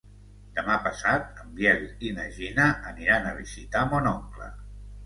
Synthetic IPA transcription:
d̪əmapəsat̪̚əmbjɛlinəʒinəʔːniɾanəβizit̪amonɔŋklə̰

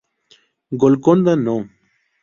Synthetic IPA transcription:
ɡolkond̪ano

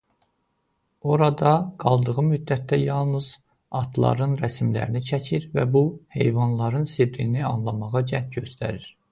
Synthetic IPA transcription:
o̞ɾɑd̪ɑɡ̥ɑlˠd̪ɯʁɯmyd̪ːæt̪ʰːæjɑlˠnɯz̥ | ɑt̪ʰlˠɑ̰ɾɯnɾæsmlæ̰ɾinit͡ʃʰæcʰiɾvæ̰buhe̞̰jvɑnlˠɑɾɯnsibɾiniɑnlˠɑmɑʁɑd͡ʒæht̪ɟø̞st̪ʰæ̰ɾiɾ̥

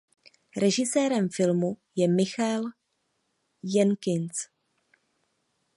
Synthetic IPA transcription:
ɾɛʒɪsɛːɾɛmfɪlmujɛmɪxal | jɛnkɪnt͡s

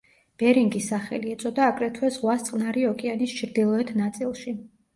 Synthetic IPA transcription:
b̥ɛɾiŋɡisaχɛ̰liɛt̪sʼɔd̪aːkʼɾɛt̪ʰwɛzʁwast̪sʼqʼnaɾiɔkʼɛanist͡ʃʰɾd̪ilˠɔɛt̪ʰnat̪sʼilˠʃi

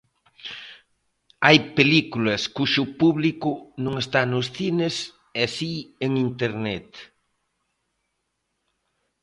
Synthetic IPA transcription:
ajpelikulɐskuʃʊpuβlikʊnõŋest̪anʊsθines | ɛsieŋint̪eɾnɛt̪

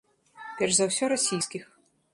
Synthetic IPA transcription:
pʲɛrʂzawsʲɔɾasʲijskʲix

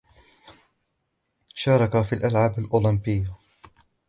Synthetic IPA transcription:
ʃɑːɾˤɑkafiːlʔalʕaːbalʔuːlɪmbɪjːa

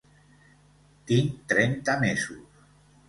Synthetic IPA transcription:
t̪iŋt̪ɾɛnt̪amesus

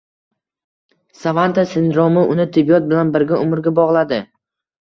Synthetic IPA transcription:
savant̪ʰasɪnd̪ɾɒmɪʔʊnɪt̪ʰɪbijɒt̪̚bɪlanbɪɾɡʲaʔʊmɪɾɡʲabɒʁlˠad̪ɪ

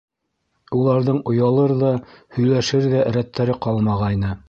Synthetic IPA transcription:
ulˠɑɾðɤɴŏjɑlˠɤɾðɑhɵ̆jlæʃɘɾðæɾæt̪ːæɾɘqɑlˠmɑʁɑjnɤ

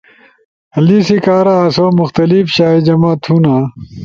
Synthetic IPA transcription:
ɐlisikaːɾaːsoːmuxt̪ɐlifɕaːid͡ʑɐmaːt̪ʰuna

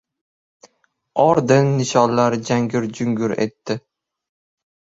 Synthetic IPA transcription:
ɒɾd̪ɪnːɪʃɒnlaɾd͡ʒaŋɡʲɪɾd͡ʒʊŋɡʲʊɾe̞̰t̪ːɪ

